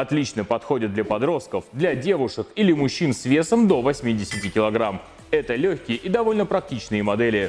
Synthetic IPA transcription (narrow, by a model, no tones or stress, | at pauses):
ɐt̪lʲit͡ɕnəpɐt̪xo̞dʲɪt̪̚d̪lʲɐpɐd̪ɾo̞st̪̚kəfd̪lʲɐdʲe̞vʊʂɨkilʲɪmʊɕːinsvʲe̞səmd̪o̞vɐsʲmʲidʲɪsʲɪtʲɪkʲɪlˠɐɡɾam | ɛt̪əlʲɵçʲkʲɪjəʔid̪ɐvo̞lʲnəpɾɐk̚tʲit͡ɕnɨjəmɐd̪ɛlʲɪ